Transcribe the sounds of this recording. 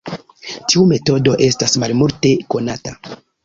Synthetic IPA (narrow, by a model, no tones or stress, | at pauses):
tʰiume̞to̞do̞ʔe̞stasmalmulte̞ko̞nata